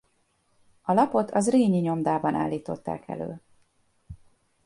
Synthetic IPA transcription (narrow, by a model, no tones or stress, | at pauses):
ɒlɒpo̞t̪ʰɒzreːɲiɲo̞md̪aːbɒna̰ːlːiːt̪o̞t̪ːa̰ːkɛ̰lø̰ː